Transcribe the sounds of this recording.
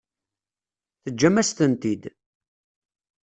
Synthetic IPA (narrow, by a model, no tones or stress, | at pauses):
θəd͡ʒːæmːæst̪ənt̪id̪